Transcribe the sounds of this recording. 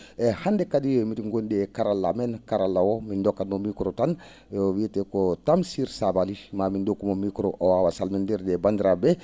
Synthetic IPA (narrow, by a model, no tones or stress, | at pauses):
ɛhandekadijmitiŋɡondɛkaɾalːamenkaɾalːawomindokːadmomikɾotan | owietekotamsiɾsabalimamindokːumomikɾoʔowawasalmendɛɾdɛbandiɾabɛ